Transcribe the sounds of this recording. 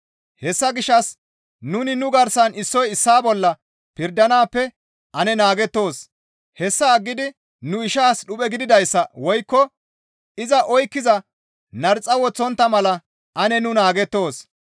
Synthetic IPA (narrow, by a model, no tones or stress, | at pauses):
hɛsːɐɡɪʃːɐs | nʊnɪnʊɡɐɾsɐnɪsːɔjɪsːaːbɔlːɐ | pɪɾd̪ɐnaːpːɛ | ʔɐnɛnaːɡɛt̪ːo̞ːs | hɛsːɐːɡːɪd̪ɪ | nʊɪʃaːsɗʊpʼɛɡɪd̪ɪd̪ɐjsːɐwɔjkːɔ | ɪzɐʔɔjkːɪzɐ | nɐɾt͡sʼːɐwɔt͡sːɔnt̪ːɐmɐlɐ | ʔɐnɛnʊnaːɡɛt̪ːo̞ːs